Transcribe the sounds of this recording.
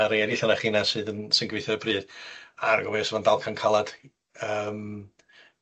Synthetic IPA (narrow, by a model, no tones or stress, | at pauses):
aɾeɛdɪθanaχiːnasɨːðənsənɡwejθɔɾəbrɨːðar̰ɡɔmɛsvandalˠkʰankʰalˠad̥ | əːm